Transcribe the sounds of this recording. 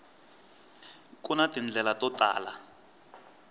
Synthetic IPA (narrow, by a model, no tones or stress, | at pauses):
kunatind͡ɮɛlatɔta̰ːla̰